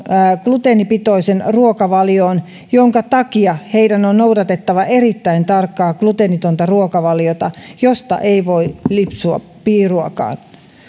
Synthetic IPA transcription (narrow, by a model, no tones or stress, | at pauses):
klut̪enipit̪oisenruokɑʋɑljoːn | joŋkɑt̪ɑkiɑheidænonnoudɑt̪et̪ːɑʋɑʔerit̪ːæint̪ɑrkːɑːklut̪enit̪ont̪ɑruokɑʋɑljot̪ɑjost̪ɑ̰ʔeiʋoilipsuɑ̰ | piːruɑkɑ̰ːn